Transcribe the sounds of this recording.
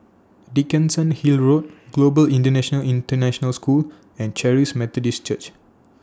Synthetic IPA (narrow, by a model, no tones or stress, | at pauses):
dikə̃nsə̃nhilɹot̚ɡlobəlĩntənɛʃənəlĩntənɛʃɔnəlskul | ɛ̃nt͡ʃɛɹismɛt̪ɔdist͡ʃət͡ʃ